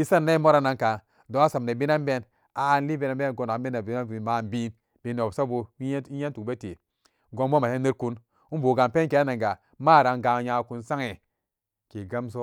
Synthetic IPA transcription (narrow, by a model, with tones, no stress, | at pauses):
i˦sa˦nː˦a˦i˦mo˦ɾa˦na˨ŋka˨ | do˨˦a˦sa˨m˨ne˨bi˦na˦nbe˦n | a˨n˦li˦be˦na˨mbe˦n˨ɡo˨na˨˦be˦na˨bi˨˦na˦i˨ma˨nbi˦n | b̥i˨ne˨o˨sa˦bo˧i˦a˦ntu˨kbe˦te˨ | ɡo˧nbo˦ma˨he˦ne˦ɾku˦n | u˦bo˨ɡa˨npe˦nke˨˦a˦na˨ŋɡa˨ | maː˦˨ɾa˨ŋɡa˨ja˨ku˨nsa˦ŋe˨ | ke˨ɡa˦ms̬o˦